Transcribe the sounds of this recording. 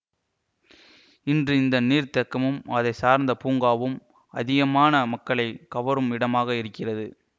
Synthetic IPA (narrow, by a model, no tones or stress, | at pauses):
ɪndrɯɪnd̪ɐniːɾt̪ɐkːɐmɯmɐðɐɪsaːɾnd̪ɐpuːŋɡaːʋɯm | ɐ̰ðɪɣɐmaːnɐmɐkːɐɭɐɪkɐʋɐɾɯmɪɽɐmaːɣɐɪɾɯkːɪrɐðɯ